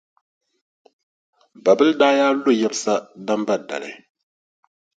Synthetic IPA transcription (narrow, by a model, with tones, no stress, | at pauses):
ba˨bɨ˦ldaː˦jaː˦lo˦˨jɛ˦bɨ˦sa˦da˦mba˦˨da̰˨lɨ̰˨